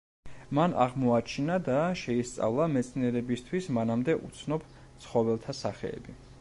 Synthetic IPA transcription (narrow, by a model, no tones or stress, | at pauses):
manʔa̰ʁmɔat͡ʃʰinad̪aʃɛist̪sʼa̰vlˠamɛt̪sʰniɛɾɛbist̪ʰwismanamd̪ɛʔut̪sʰnɔb | t̪sʰχɔvɛlˠt̪ʰasaχɛ̰ɛ̰bi